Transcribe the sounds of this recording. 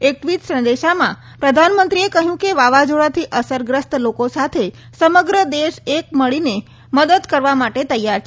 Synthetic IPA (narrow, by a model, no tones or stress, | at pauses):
ek̚ʈʋit̪sə̃nd̪eʃamã̰ | pɾəd̪ʱanmənt̪ɾiekəɦjũkeʋaʋad͡ʒoɭat̪ʰiʔəsəɾɡɾəst̪lokosat̪ʰe | səməɡɾəd̪eʃek̚məɭine | məd̪əd̪kəɾʋamaʈet̪əjːaɾt͡ʃʰ